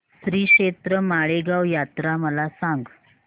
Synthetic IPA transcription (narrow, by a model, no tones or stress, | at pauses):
sɾiːkʂet̪ɾəmaɭeɡawjat̪ɾaməlasãŋɡ